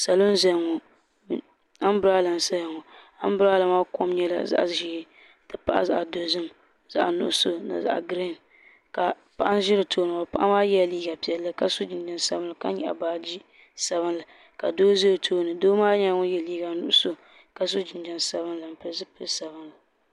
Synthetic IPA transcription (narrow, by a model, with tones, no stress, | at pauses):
sa˨lo˦n˦za˦˨ŋo˨ | a˦m˦bɾa˦la˨n˨sa˦ja˨ŋɔ˨ | a˦m˦bɨ˦ɾa˦la˨maː˦ko˦mɲɛ˦la̰˨za̰˦ʔʒɪ˦ɾ | dɨ˨pa˦ʔa̰˦za̰˨ʔa˨do˨zɨ˦m | z̥a̰˦ʔa˨nʊ̰˨ʔʊ˦so˦na̰˨za̰˨ʔa̰˨ɡɾe˦˨n | ka˨ | pa˨ʔa˦n˦ʒɪ˦ɾɨ˨tʰoː˦nɨ˨a˨pa˦ʔa˦maː˦jɛ˦˨liː˦ɡa˨pi˨ɛ˨lːɨ˦ka˦so˦d͡ʒɪ˨n˦d͡ʒa˦nsa˦bɨ˦la˨ka˦ɲɛ̰˦˨ʔa̰˨baː˨d͡ʒi˦ | sa˨βɨ˦nla˨ | ka˨doː˦ze˦o˨tʰoː˦nɨ˨doː˦maː˦ɲa˦ŋʊ˦jɛ˨liː˦ɡa˨˦nʊ̰˦ʔʊ˦so˦ | ka˨s̬o˦d͡ʒɪ˨nd͡ʒa˦nsa˦βɨ˦nla˨m̩˨pɨ˦zɨ˦pɨ˦sa˨bɨ˦nla˨